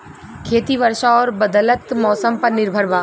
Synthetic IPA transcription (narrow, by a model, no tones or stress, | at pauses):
kʰeːt̪iʋɐɾʃaɔːɾbɐd̪ələt̪mɔːsəmpɐɾnɪɾbʱəɾʋaː